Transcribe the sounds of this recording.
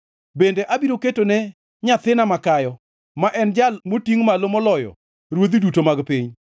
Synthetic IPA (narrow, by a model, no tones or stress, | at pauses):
bendeʔabiɾoketonɛ | ɲat̪ɪnamakajɔ | maʔɛnd͡ʒalmotiŋmalomɔlɔjɔ̰ | ɾwod̪idutomaɡpiɲ